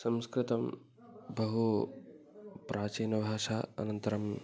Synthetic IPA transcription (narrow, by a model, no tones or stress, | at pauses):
sɐ̃mskɾɪt̪ɐm | bɐɦu | pɾʔaːt͡ʃiːnɐbʱaːʃaːɐ̰nɐnt̪ɐɾɐm